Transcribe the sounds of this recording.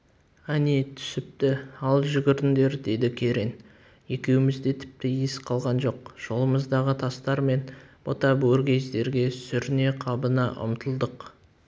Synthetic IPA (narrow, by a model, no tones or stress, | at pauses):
ænit̪ʰʏ̥sɪp̚t̪ɪɑlˠʒʏɡʲɪɾɪnd̪e̞ɾd̪e̞d̪ɪkʲʰe̞ɾe̞n | je̞kʲe̞wɪmɪzd̪e̞t̪ʰɪ̥p̚t̪ɪjesqʰɑlˠʁɑnʒo̞qʒ̥o̞lˠəməzd̪ɑʁət̪ʰɑst̪ɑɾme̞nb̥ot̪ɑbɵɾɡʲe̞zd̪e̞ɾɡʲe̞sʏɾne̞qʰɑbənɑʔʊ̰mt̪ʰəlˠd̪əq